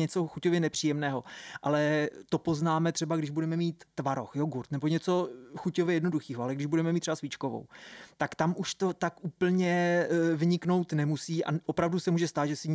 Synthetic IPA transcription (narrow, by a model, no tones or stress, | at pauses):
ɲɛt͡so̞xucovjɛnɛpr̥iːjɛmnɛːɦo̞ʔalɛt̪o̞po̞znaːmɛt̪r̥ɛbaɡdɪʒbudɛmɛmiːt̪ːvaɾo̞̰xjoɡuɾt̪nɛbo̞ɲɛt͡so̞xucovjɛjɛdno̞duxiːɦoalɛɡdɪʒbudɛmɛmit̪rɛbasvit͡ʃkovo̰wt̪akt̪amʔuʃt̪ot̪akʔuːpl̩ɲɛvɲɪkno̞wt̪nɛmusiːʔa̰ʔopɾavdusɛmuːʒɛst̪aːt̪ʒɛsɪ